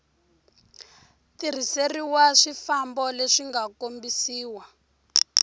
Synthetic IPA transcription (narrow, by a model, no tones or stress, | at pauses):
tir̤iseriwaʂifambɔleʂiŋɡakombisiːwa